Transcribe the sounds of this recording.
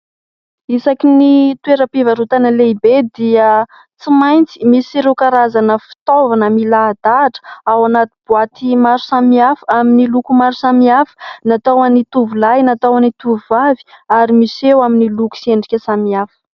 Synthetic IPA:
isakinit̪ueɾəpivaɾut̪anəleibed̪iə | t͡simajnt͡si̥misiɾewkaɾazanəfi̥t̪ovanəmilad̪̥aʈ͡ʂə̥awanat̪ibuat̪imaɾu̥samiafaminilukumaɾusamiafə̥nat̪awanit̪uvulajnat̪awanit̪uvuvavi̥aɾimisewaminiluku̥sieɳɖ͡ʐikʲəsamiafə̥

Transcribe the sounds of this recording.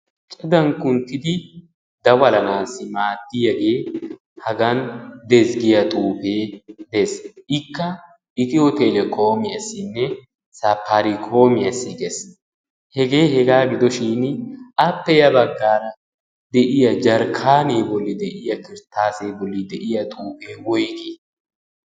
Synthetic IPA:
t͡ʃʼɐd̪ɐŋkʊnt̪ːɪd̪ɪ | d̪ɐwɐlɐnaːsːɪmaːd̪ːɪjɐɡe̞ː | hɐɡɐnd̪ɛzɡɪjɐt̪ʼuːfeːd̪esʔɪkːɐ | ɪt̪ɪɔt̪elɛkʰoːmɪɐsːɪnːɛ | sɐpʰːaɾɪkʰo̞ːmɪjɐsːɪɡɛs | hɛɡe̞ːhɛɡaːɡɪd̪ɔʃinɐpːɛjɐbɐɡːaːɾɐ | d̪ɛʔɪjɐd͡ʒɐɾkʰaːneːbɔlːɪd̪ɛʔɪjɐkɪɾt̪ːaːseːbɔlːɪd̪ɛʔɪjɐt̪ʼuːfeːwɔjɡe

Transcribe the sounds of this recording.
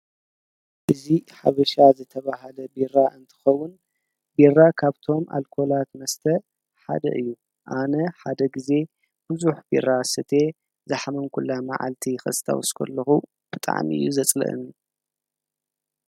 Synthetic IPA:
ʔɨziħaβɐʃazɨt̪ʰɐβaɦɐlɐbiraʔɨnt̪ʰɨ̥xɐwːʊn | birːakʰaβt̪ʰo̞mʔa̰lkʰo̞lat̪mɐst̪ʰɐ | ħa̰d̪ɐ̰ʔɨjːu | ʔanɐħad̪ɐɡize̞ | b̥ɨzuħbḭrːasɨt̪ʰe̞ | zɐħmɐnkʰulːama̰ʕa̰lt̪ʰixɐsɨt̪ʰa̰wɔskʰɐ̰lːɐxu | b̥ɨt̪ʼa̰ʕmiɨ̰jːuzɐt͡sʼlɐ̰ʔɨ̰nu

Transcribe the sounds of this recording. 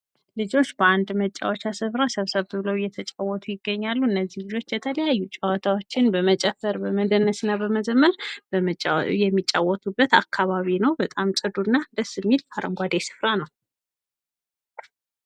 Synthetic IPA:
lɨd͡ʒo̞t͡ʃːbəand̪mət͡ʃʼːa̰wɔt͡ʃasɨfɾasəβsəβbɨβləwjɛt̪ʰət͡ʃʼawːɔt̪ʰujɪɡːəɲːalːuɨnːəzːihlɨd͡ʒo̞t͡ʃːjɛt̪ʰələjajːut͡ʃʼawɔt̪ʰawo̞t͡ʃːɪnbəmət͡ʃʼɛfəɾbəməd̪ənːəsɨnːabəməzəmːəɾ | jɛmːit͡ʃʼa̰wːɔt̪ʰubːət̪a̰kʰːaβaβinəwbət̪ʼamt͡ʃʼɨd̪uɨnːad̪əsːɨmːilʰaɾəŋɡʷad̪esɨ̥fɾanəw

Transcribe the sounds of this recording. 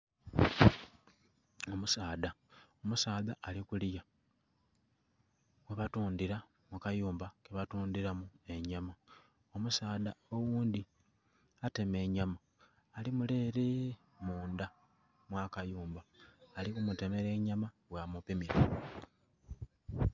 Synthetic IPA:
o̞musaːðao̞musaːðaʔːlikulija | weβatuːnd̪iɾa | mukajuːmbakeβatuːnd̪iɾamue̞ɲama | omusaːðao̞wuːnd̪i | ate̞me̞ɲamaː | limule̞ːɾe | muːnda | mwakajuːmbaːlikumute̞me̞ɾe̞ːɲamaβwaːmupimiɾa

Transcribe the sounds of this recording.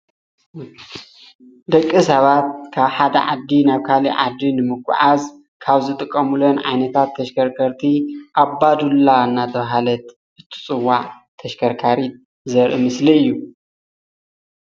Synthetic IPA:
d̪ɐkʼːisɐβat̪̚kʰaβħad̪ɐ̰ʕa̰d̪ːinaβkʰaliʕad̪ːinɨmɨɡʷʼʊ̰ʕaz | kʰaβzɨt̪ʼɨkʼːɐmulonʕa̰jnɐt̪ʰat̪ʰːɐʃkʰɐɾkʰɐɾt̪ʰiʔabad̪ulːawnːat̪ʰɐβaɦalɐt̪̚ | ʔɨt̪ʰɨ̥t͡sʼɨwːaʕ | t̪ʰɐʃkʰɐɾkʰaɾit̪̚ | zɐɾʔɨ̰mɨsliɨjːu

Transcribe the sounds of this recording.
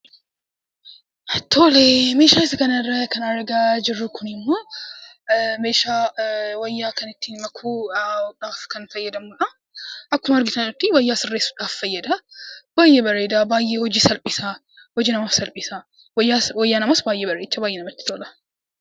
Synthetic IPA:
t̪ʰoːlemeːʃaːɪsɐkɐnɐɪrːɐkɐnɐɾɡaːd͡ʒɪrːʊkʰʊnɪmːo̞ː | me̞ːʃaːwɐjːaːkɐnɪt̪ːɪmɐkʰuːᶑaːfkɐnfɐjːɐd̪ɐmʊᶑɐ | ʔɐkːʊmɐɾɡɪt̪ɐʊt̪ːɪwɐjːaːsɪrːeːsːu̥ːᶑaːffɐjːɐd̪ɐbaːjʔebɐreːd̪abaːjːeːhɔd͡ʒiːsɐlpʼɪsa | hɔd͡ʒiːnɐmaːfsɐlpʼɪsa | wɐjːawɐjːaːnɐmɐsbaːjʔeːbɐɾeːt͡ʃːɐbaːjeːnɐmɐt̪ːɪ̥t̪oːlɐ

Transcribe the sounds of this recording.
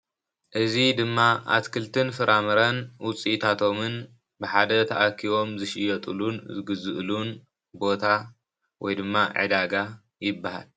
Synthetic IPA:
ʔɨzid̪ɨmːaʔa̰t̪kʰɨlt̪ʰɨnfɨɾʔamɐɾɐnwʊt͡sʼit̪ʰat̪ʰo̞mɨn | bɨħad̪ɐt̪ʰɐʔakʰːiβo̞mzɨʃɪjɐt̪ʼṵlunzɨɡɨzɨʔlun | bo̞t̪ʰa | wɔ̰jd̪ɨmːaʕɨ̰d̪aɡa | jɪbːaha̰l

